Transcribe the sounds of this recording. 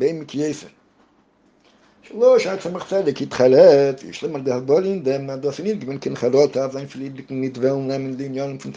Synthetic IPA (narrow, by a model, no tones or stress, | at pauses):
beɪmɪkjeɪsə | ʃəlˠoʃaɪtsɛməχt͡sɛdɪkitχaɾɛtɪ̰ʃlˠɪməɾdɪhazbɔlˠəɪndɛmadɔːsɪnɪt̚ɡvɛnkɪnχaɾɔtafzaɪnfɪlˠidɪkŋ̩nɪtvɛlˠn̩nɛməndɪɪnjɔnəmfʊn